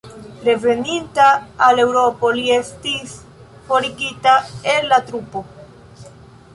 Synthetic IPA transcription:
ɾe̞ve̞nintaːle̞wɾo̞po̞lie̞stis | fo̞ɾiɡitaelːatɾupo̞

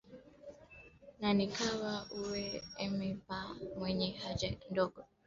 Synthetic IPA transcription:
nanikawauwɛɛmɛpamwɛɲɛhad͡ʒandɔɡɔ

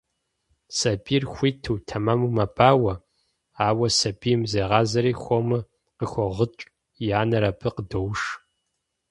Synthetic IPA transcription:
sɐbʼiːrxʷiːtʰɨwtʰɐmaːmumɐbʰʼaːwɐ | aːwɐsɐbʼiːmzeʁɑːzɐɾiːxʷomɨ | qəxʷɔʁət͡ʃʼ | jaːnɐɾɐpʰɨqədowʂ

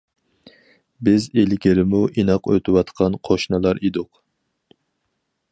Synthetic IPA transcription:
bɪzelɡʲɪɾɪmuʔinɑqøt̪ʰɪwɑt̪qʰɑnqʰoʃnɨlˠɑɾid̪ʊq

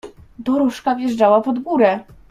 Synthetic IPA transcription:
d̪ɔɾɔʂkavjɛʐd͡ʐawapɔd̪ɡuɾɛ

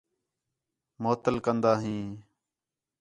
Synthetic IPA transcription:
moːt̪əlkənd̪aːɦĩː

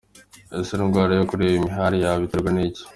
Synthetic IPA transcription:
eseɾiŋɡwaːɾajokuɾeβimiɦaɾijaβiteɾɡwanici̥

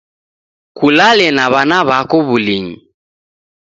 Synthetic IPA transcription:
kulalɛnaβanaβakɔβuliɲi

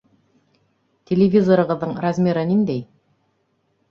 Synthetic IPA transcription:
t̪ʲʰelʲevʲizo̞ɾəʁəzd̪əɴɾazmʲeɾənimd̪ej

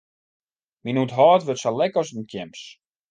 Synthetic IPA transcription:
minutɦɔːtʋøtsalɛkɔsdənkʰjɛms

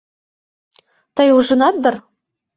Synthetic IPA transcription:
t̪ɤjuʒɤ̆nɑt̪̚d̪ɤ̆r

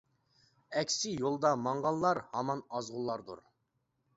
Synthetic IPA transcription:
ɛkʲsɪjolˠd̪ɑmɑɴʁɑlˠlːˠɑɾhɑmɑnɑzʁʊlˠːɑɾd̪ṵɾ

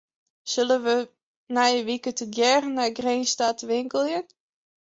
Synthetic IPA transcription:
sølənʋə | najəʋikətəɡjɛrnaɡrenstatʋɪŋkəlˠjən

